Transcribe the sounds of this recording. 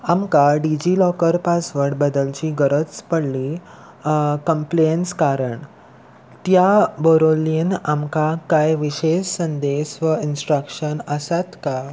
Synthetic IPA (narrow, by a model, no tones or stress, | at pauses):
amkaɖid͡ʑilɔkəɾpasʋəɽbəd̪əlt͡ɕiːɡəɾət͡spəɽli | kəmplenskaɾəɳ | t̪jabəɾolinamkakajʋiɕessənd̪esʋəinsʈɾəkʂənəsat̪ka